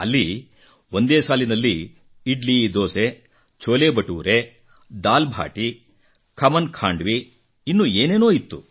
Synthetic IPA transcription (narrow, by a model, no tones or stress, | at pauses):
ɐlːi | ond̪eːsaːlinɐlːi | iɖlid̪oːse | t͡ʃʰoːleːbɐʈuːɾe | d̪aːlbʱa̰ːʈi | kʰɐmɐnkʰaːɳɖʋi | inːuːeːne̞ːnoːit̪ːu